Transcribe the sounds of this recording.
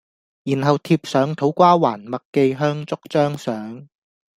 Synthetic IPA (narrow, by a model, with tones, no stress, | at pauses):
jiː˨˩nɦɐ˨wt̪ʰiː˧p̚sœː˨˥ŋt̪ʰo˨˥wkʷaː˥waː˨˩nmɐ˨kkːe˧jɦœː˥ŋt͡sʊ˥k̚t͡sœː˥ŋsœː˨˥ŋ